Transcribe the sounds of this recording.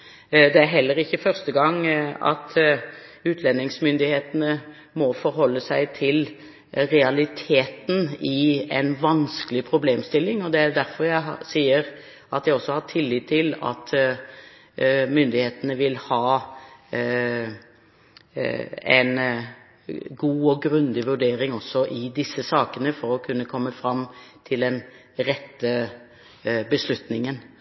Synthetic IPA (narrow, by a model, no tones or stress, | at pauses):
d̪ɛæɾɦɛlːəɾɪçːəfœʁst̪əɡɑŋːɑ̰t̪ | ʉːt̪ʰlɛnːɪŋsmʏnd̪ɪheːt̪ənə | mɔfɔɾɦɔlːəsæɪt̪ʰɪl | ɾɛɑlɪt̪ʰeːt̪n̩ɪɛɪnʋɑnskəlɪpʰɾʊbleːmst̪ɪlːɪŋɔd̪ɛæɾd̪æɾfɔɾjæɪɦɑsiːəɾ | ɑt̪̚d̪æɪɔsːɔhɑʈʰɪlːiːt̪ʰːɪlɑ̰t̪ | mʏnd̪ɪheːt̪ənəʋɪlhɑː | ɛ̰ɪn | ɡuːɔɡɾʉnd̪ɪʋʉɖeːɾɪŋɔsːɔʔɪd̪ɪsːəsɑːkənəfɔɾɔkʰʉnːəkʰɔmːəfɾɑmt̪ʰɪld̪ɛn | ɾɛt̪ːə | bəslʉt̪nɪŋən